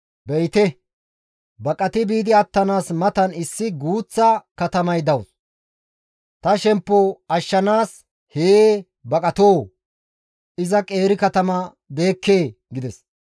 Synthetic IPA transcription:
bɛjt̪ɛ | bɐkʼɐt̪ɪbiːd̪ɪɐt̪ːɐnaːsmɐt̪ɐnɪsːɪɡuːt͡sːɐkɐt̪ɐmɐjd̪ɐws | t̪ɐʃɛmpːɔɐʃːɐnaːs | heː | bɐkʼɐt̪oː | ʔɪzɐkʼe̞ːɾɪkɐt̪ɐmɐ | be̞ːkːe̞ː | ɡɪd̪ɛs

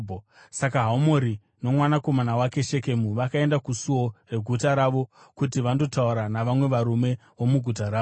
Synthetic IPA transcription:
sakaɦaumo̞ɾi | no̞mwanako̞manawake̞ʃe̞ke̞muʋakae̞ndakusuo̞re̞ɡʱutaɾaʋo̞ | kutiʋando̞tauɾanaʋamwe̞ʋaɾume̞ | wo̞muɡʱut̬aɾaː

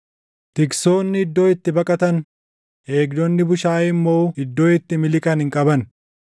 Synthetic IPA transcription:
t̪ɪkso̞ːnːɪɪd̪ːo̞ːɪt̪ːɪbɐkʼɐt̪ɐn | ʔe̞ːɡd̪ɔnːɪbʊʃaːɪmːo̞ːɪd̪ːo̞ːɪt̪ːɪmɪlɪkʼɐnhɪŋkʼɐbɐn

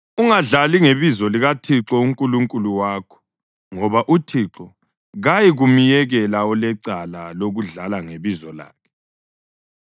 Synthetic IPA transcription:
uŋaɮaliŋeβizɔliɣatʰiǁɔuŋkʼuluŋkʼuluwaːkʰɔ̥ | ŋɔβaʔutʰiǁɔ | ɣajiɣumijɛɣɛlaɔlɛǀalaloɣuɮalaŋeβizɔla̰ːkʰɛ̥

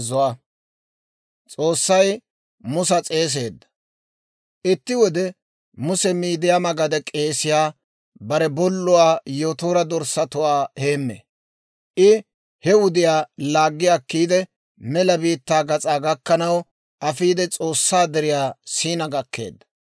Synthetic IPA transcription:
zʊɐ | t͡sʼo̞ːsːɐj | mʊs̬ɐt͡sʼe̞ːs̬e̞ːd̪ːɐ̥ | ʔɪt̪ːɪwɔd̪ɛ | mʊsɛmiːd̪ɪjamɐɡɐd̪ɛkʼe̞ːsɪjaː | bɐɾɛbɔlːʊwaːjoːt̪oːɾɐd̪ɔɾsɐt̪ʊwaːhe̞ːmːḛː | ʔɪ | hɛwʊd̪ɪjaːlaːɡːɪjakːiːd̪ɛ | mɛlɐbiːt̪ːaːɡɐt͡sʼaːɡɐkːɐnɐw | ʔɐfiːd̪ɛt͡sʼo̞ːsːaːd̪ɛɾɪjaːsiːnɐɡɐkːe̞̰ːd̪ːɐ̥

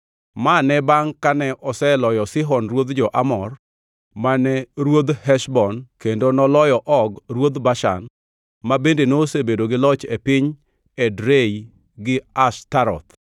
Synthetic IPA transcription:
manɛbaŋkanɛʔɔsɛlɔjɔsɪɦɔnɾwod̪d͡ʒɔʔamɔr | manɛɾwod̪hɛʃbɔnkendonɔlɔjɔʔɔɡɾwod̪baʃa̰n | mabendenosebedoɡɪlɔt͡ʃepɪɲ | ɛdɾei | ɡɪastaɾɔ̰t̪

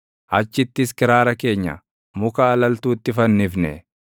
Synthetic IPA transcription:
ʔɐt͡ʃːɪt̪ːɪskɪɾaːɾɐke̞ːɲːɐ̰ | mʊkaːlɐlt̪uːt̪ːɪfɐnːɪfnɛ

